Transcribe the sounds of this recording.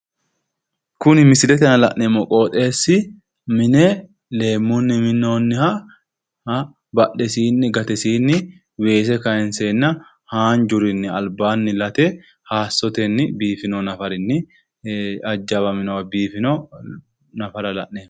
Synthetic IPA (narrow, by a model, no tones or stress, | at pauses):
kʊnɪmɪsɪdɛt̪ɛnɐlɐʔnːeːmːɔkʼo̞ːt̪ʼe̞ːsːɪ | mɪnɛ | le̞ːmːʊnːɪmɪnːoːnːɪhɐ | hɐ | bɐɗːɛsiːnːɪɡɐt̪ɛsiːnːɪ | we̞ːs̬ɛkɐjɛnseːnːɐ | haːnd͡ʒʊɾɪnːɪɐlbaːnːɪlɐt̪ɛ | haːsːɔt̪ɛnːɪbiːfɪnonɐfɐɾɪnːɪ | ɐd͡ʒːɐβɐmɪnɐwɐbiːfɪnɔ | nɐfɐɾɐlɐ̰ʔneːm